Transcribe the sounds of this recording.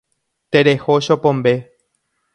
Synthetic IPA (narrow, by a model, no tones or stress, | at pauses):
t̪eɾehoʃopõmbe